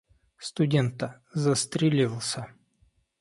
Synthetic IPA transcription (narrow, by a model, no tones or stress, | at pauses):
st̪ʊdʲent̪ə | zəst̪ɾʲɪlʲilˠsʲə